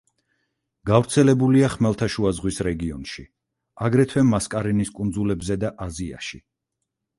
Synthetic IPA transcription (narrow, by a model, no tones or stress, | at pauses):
ɡ̥avɾt̪sʰɛlɛbuliaχmɛlˠt̪ʰaʃuazʁwisɾɛɡiɔnʃi | aɡɾɛt̪ʰwɛmːaskʼaɾɛniskʼund̪zulɛbzɛd̪aʔazia̰ʃi